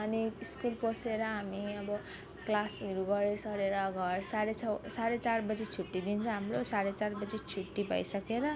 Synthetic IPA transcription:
ʌniiskulposeɾʌɦamiʌbʌ | klasʌɾuɡʌɾesʌɾeɾʌɡʱʌrsaɾeʌsaɾet͡sarbʌd͡zet͡sʰuʈːid̪int͡sʰʌ̃ɦamrosaɾet͡sarbʌd͡zet͡sʰuʈːibʱʌ̰jsʌkeɾʌ

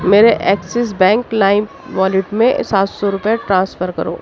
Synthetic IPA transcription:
meːɾeʔɛːksɪs̬bɛ̃ːŋklaːɪm | ʋaːlɪʈmẽsaːt̪sɔɾʊpeʈɾãːnsfʰəɾkɐɾo̰ː

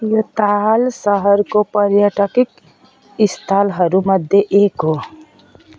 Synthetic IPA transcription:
jɐt̪alsəɦəɾkopəɾjaʈəkɪk | ɪst̪ʰaːlɦɐɾuməd̪ʱjeʔeːkɦo

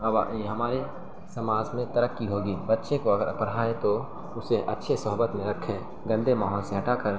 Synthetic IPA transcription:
ɐba̰eɦɐmaːɾe | sɐmaːzmẽt̪ɐɾəkːiɦoːɡiːbɐtːʃekoɐɡəɾpɐɽ̤aːẽt̪o | ʊseʔɐ̰tːʃʰesɐɦʊbət̪mẽɾɐkʰːẽː | ɡɐ̃nd̪emaːɦɔːlseɦɐʈaːkəɾ

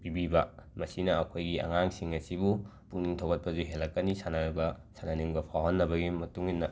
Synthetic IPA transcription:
bibibɐmɐsinɐːkʰojɡiɐ̰ŋaŋsiŋɐsibu | puŋniŋtʰowɡɐt̚pɐzuɦelːɐkːɐnisanabɐsananiŋbɐpʰawɦɐnːɐbɐɡimɐtuŋinːɐ

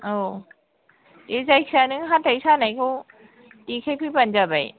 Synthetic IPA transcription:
o | ezajkʰianɯŋɦatajsanajkʰow | tikʰajpʰɯpand͡ʒabaj

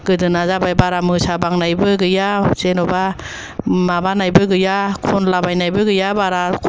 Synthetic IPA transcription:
ɡ̥ɯdɯnazabajbaɾamɯsabaŋnajbɯɡɯjaz̥enɔba | mabanajbɯɡɯjakʰɔnlabajnajbɯɡɯjabaɾakʰ

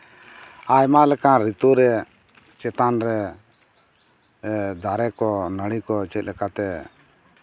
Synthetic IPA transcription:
ajmãlɛkãɾit̪oɾɛ | t͡ʃɛt̪anɾɛ | d̪ʱaɾɛkɔnəɽ̃ikɔt͡ʃɛt̪̚lɛkat̪ɛ

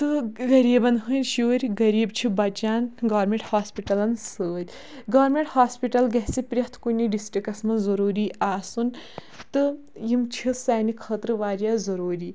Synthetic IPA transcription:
t̪ɨɡɐɾiːbɐnɦɨnʲʃoːɾʲɡɐɾiːbt͡ʃʰibɐt͡ʃaːnɡaːɾmʲeɳʈhaːspiʈɐlɐnsəːt̪ʲ | ɡaːɾmʲeɳʈhaːspiʈɐlɡɐɦsipɾʲɐht̪ʰkunʲːiɖisʈɾikɐsmɐnzɐɾuːɾiːaːsun | t̪ɨ | jimt͡ʃʰisaːnikʰɐt̪ɾɨʋaːɾʲjaːzɐɾoːɾiː

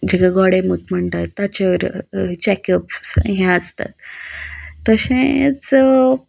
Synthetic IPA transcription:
d͡ʑekaɡɔɽemut̪m̤əɳt̪at̪ːat͡ɕaʋəɾt͡ɕɛkəpsɦɛ̃əst̪a̰t̪ː | əɕẽt͡s

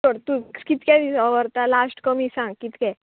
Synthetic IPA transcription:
əɽt̪ukit̪kʲɛiəʋəɾt̪alasʈkəmisãŋɡ̚kit̪kɛ

